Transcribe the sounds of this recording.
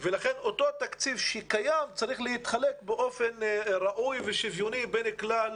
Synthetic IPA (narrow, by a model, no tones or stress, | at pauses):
velaχeno̞t̪o̞t̪akt͡sivʃekajamt͡saʁiχleit̪χalekbeʔo̞fe̞nʁaʔujveʃivjonibeneklal